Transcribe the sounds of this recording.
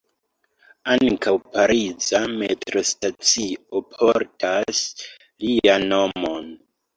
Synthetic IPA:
aŋkawpaɾizame̞tɾo̞stat͡siopʰo̞ɾtʰas | liano̞mon

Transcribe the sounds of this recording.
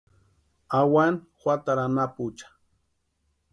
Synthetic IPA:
awan | xwat̪aɾanaput͡ʃḁ

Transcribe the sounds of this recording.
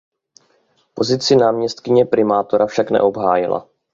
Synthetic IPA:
po̞zɪt͡sɪnaːmɲɛst̪kɪɲɛpɾɪmaːt̪o̞ɾafʃaknɛ̰ʔo̞bɦaːjɪla̰

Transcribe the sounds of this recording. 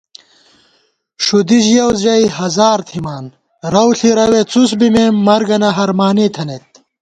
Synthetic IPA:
ʂud̪iʑjɐwɐjhɐzaːɾt̪ʰimaːn | ɾɐwɬiɾɐwet͡sus̬bimeːmːɐɾɡɐnɐɦɐɾmaːniːt̪ʰɐnet̪̚

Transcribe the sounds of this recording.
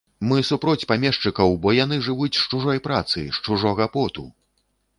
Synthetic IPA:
mɨsupɾɔt͡sʲpamʲɛʂt͡ʂɨkɐwbɔjan̪ɨʐɨvut͡sʲʂt͡ʂuʐɔjpɾa̰t̪sɨ̰ʂt͡ʂuʐɔɣɐpɔt̪u

